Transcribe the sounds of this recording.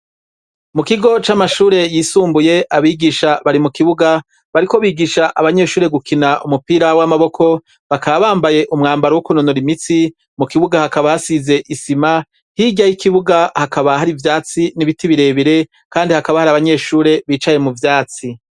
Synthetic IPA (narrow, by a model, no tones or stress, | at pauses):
mukiɡo̞t͡ʃamaʃuːɾe̞jiːsuːmbuje̞ʔaβiːɡiʃaβaɾimukiβuɡa | βaɾiko̞βiːɡiʃaʔaβaɲe̞ːʃuːɾe̞ɡukʰinaʔumupiːɾawamaβo̞kʰo̞ | βakaβaβaːmbaje̞ʔumŋaːmbaɾowukunonoɾimit͡si | mukiβuɡahakaβahasize̞ʔisima | hiɟajikiβuɡahakaβahaɾivjaːt͡siniβitiβiɾe̞ːβiɾe̞ | kaːndihakaβahaɾaβaɲe̞ːʃuːɾe̞βiːt͡ʃaje̞muvjaːt͡si